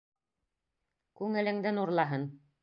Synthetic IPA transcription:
kʉŋɘ̆lɘ̆ŋd̪ɘnuɾlˠɑɦɤn

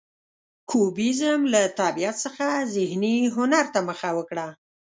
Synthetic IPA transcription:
kʰubizəmlat̪abijat̪səxazɪhniɦʊnaɾt̪aməxawəkɽa

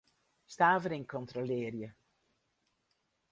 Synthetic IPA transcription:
staːvəɾiŋkʰɔntrolɪːrjə

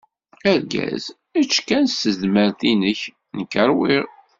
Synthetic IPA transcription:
æɾɡæ̰z | æt͡ʃːkænsəðməɾθinəç | nəkːəɾˤwiɾ

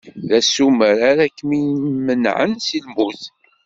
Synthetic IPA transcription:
ðæsuməɾaɾækːmimənʕə̰nsilmuθ

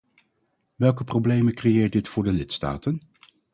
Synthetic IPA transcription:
ʋɛlˠkəprowblejməkrejɪːɹt̚dɪtfʊːɹdəlɪtsta̰ːtən

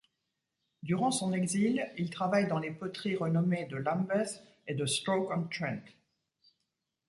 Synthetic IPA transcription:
d̪yʁɑ̃sɔ̃nɛɡzililt̪χavajd̪ɑ̃lepɔt̪χiʁənɔmed̪əlãmbɛs | ed̪əst̪χokɔnt̪χɛ̃nt̪

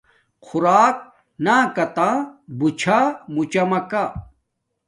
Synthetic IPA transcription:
qʰuɾaːk̚ | naːkɐt̪ãbut͡ɕʰamut͡ɕɐmɐka

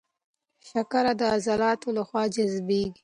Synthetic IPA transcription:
ʃakaɾad̪əazalɑːt̪olaxwɑːd͡ʒazbeɡi

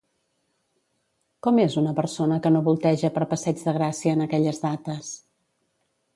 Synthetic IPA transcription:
kɔmezunəpəɾsonəkənoβulˠt̪ɛʒəpəɾpəsɛd͡ʒðəɣɾasiəːnəkɛʎəzðat̪əs

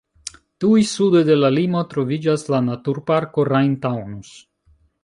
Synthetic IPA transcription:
tujsudejde̞lalimo̞tɾo̞vid͡ʒaslanatuɾpaɾko̞ɾajntawnus

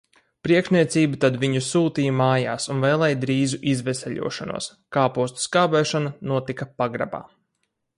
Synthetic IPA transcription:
pɾiɛkʃniɛt̪siːbut̪ad̪viɲusuːt̪iːjmaːjaːsunvɛːlˠɛjd̪ɾiːzuʔizvɛsɛʎʲṵɔʃanṵɔskaːpuɔst̪u̥skaːbɛːʃananuɔt̪ikɐpaɡɾa̰ba̰ː

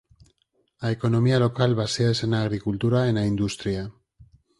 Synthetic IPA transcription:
aeko̞no̞mialo̞kalβasiaese̞naɣ̞ɾikult̪uɾaenaind̪ust̪ɾia

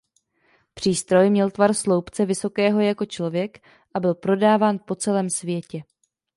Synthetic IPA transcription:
pr̝̥iːst̪ɾo̞jmɲɛlt̪varslo̞wpt͡sɛvɪso̞kɛːɦo̞jako̞t͡ʃlo̞vjɛk | ʔabɪlpɾo̞daːvaːnpo̞t͡sɛlɛːmsvjɛcɛ

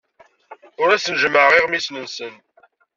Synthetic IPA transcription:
ʊɾæsnəʒməʁiʁmislənsən

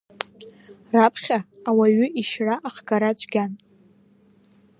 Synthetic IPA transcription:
rapʰχʲaːwaɥʏʔiʃraʔaχɡaɾat͡ɕʷʰʼɡʲan

